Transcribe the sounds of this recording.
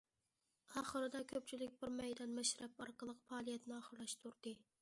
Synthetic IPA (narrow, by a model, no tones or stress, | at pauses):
ɑːχəɾɨd̪ɑkʲʰøp̚ʲt͡ʃʰilɪk̚ʲbɪɾmɛjd̪ɛnmɛʃɾɛpɑɾqəlˠəqpɑːlˠijɛt̪nɨɑːχəɾlˠɑʃt̪ʰuɾd̪̥ɨ